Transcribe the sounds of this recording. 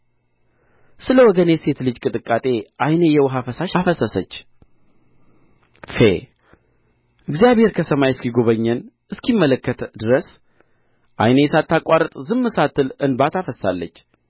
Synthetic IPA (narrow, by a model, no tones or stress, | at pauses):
sɨləwɔɡənjɛse̞t̪lɨd͡ʒkʼɨt̪ʼɨkʼːat̪ʼe̞ʔajnejɛwɦafəsaʃafəsəsət͡ʃː | fḛ | ʔɨɡzijaβhe̞ɾkʰəsəmajɛskiɡo̞βəɲːən | ɨskʰimːələkːət̪d̪ɨɾəs | ʔajnejɛsat̪ʰːakʼʷːaɾət̪ʼzɨmːɨsat̪ʰːɨlɨnbat̪ʰafəsːa̰lːət͡ʃː